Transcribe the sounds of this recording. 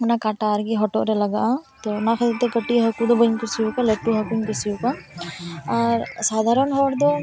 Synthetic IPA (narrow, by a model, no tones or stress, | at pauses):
ɔnakaʈaɾɡiɦɔʈɔ̰ʔɾɛlaɡaʔat̪ɔnakʰəd̪ɛt̪ɛkəʈiɦəkud̪ɔbəɲkisiukalɛʈuɦəkuɲkisiuka | aɾsad̪ʱaɾɔnɦɔɽd̪ɔ